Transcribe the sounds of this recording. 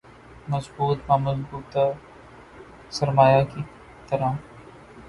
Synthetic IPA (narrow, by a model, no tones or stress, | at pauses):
mɐzbuːt̪mãːmɐzbuːt̪a | sɐɾmaːjaki | t̪ɐɾãː